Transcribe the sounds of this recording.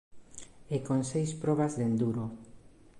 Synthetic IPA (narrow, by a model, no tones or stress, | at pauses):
ekonsejspɾɔβazðend̪uɾo